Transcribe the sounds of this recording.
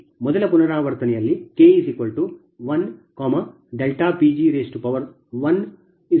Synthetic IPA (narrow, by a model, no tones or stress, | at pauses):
mɔd̪ɐlɐpunɐɾaːʋɐɾt̪ɐnɛjɐlːikeːisikolʈu | ʋɐnkoːmɐ | ɖelʈaːpiːd͡ʒiːɾeːsʈupɐʋɐɾ | ʋɐn | i